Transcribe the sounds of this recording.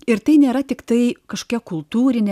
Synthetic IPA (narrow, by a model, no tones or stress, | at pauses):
ɪɾt̪ɐɪnʲeːɾɐt̪ʲɪkt̪ɐɪkɐʃo̥kʲɛkʊlˠt̪uːɾʲɪnʲɛ